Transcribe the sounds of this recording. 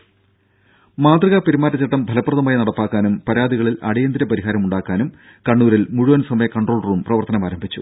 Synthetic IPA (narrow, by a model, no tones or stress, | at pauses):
maːd̪rɐɣapeɾimaːɾɐt͡ɕːiʈːɐmbʱɐlɐpːrɐðɐmaːjinɐɽɐpːaːkːaːnumpɐɾaːd̪iɣɐɭilɐ̰ɽijɐnd̪iɾɐpɐɾiɦaːɾɐmuɳɖaːkːaːnum | kɐɳːuːɾilmuɻuʋɐnsɐmɐjɐkɐɳɖroːɭruːmprɐʋɐrt̪ɐnɐmaːɾɐmbʱit͡ɕːṵ